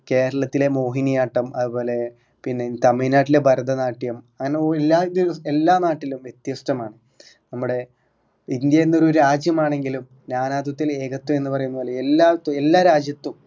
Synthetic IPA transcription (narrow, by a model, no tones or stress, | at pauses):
ke̞ːɾɐɭɐt̪ːile̞mo̞ːɦinijaːʈːɐmɐðupo̞ːle̞ | pinːet̪ɐminaːʈ̬ːile̞bʱɐɾd̪ʱɐnaːʈːijɐmɐŋːɐneoelːaːnoɾue̞lːaːnaːʈːilumʋje̞t̪jɐsʈɐmaːɳɨ | nɐmːuɽe̞ | ind̪jɐenːo̞ɾuoɾɾaːd͡ʑjɐmaːɳe̞ŋɡilum | naːnaːd̪ɐt̪ːile̞ːɣɐt̪ːume̞nːɨpɐrɐjunːɐoːlelːaːt̪ːelːaːɾaːd͡ʑjɐt̪ːum